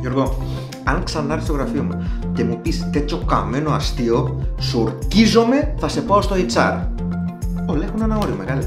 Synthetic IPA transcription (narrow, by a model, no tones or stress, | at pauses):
joɾɣo | a̰ŋksand̪aɾsoɣɾafiomat̪emupist̪et͡ʃoka̰menoast̪iosuɾkizomeθasepoaost̪oðit͡sa̰ɾ | olexunanaoɾjomeɣal